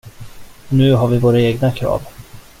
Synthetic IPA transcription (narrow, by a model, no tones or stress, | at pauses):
ɔnʉ̟ːɦaɾvɪvoːɾaeːɡnakʰɾɑ̰ːv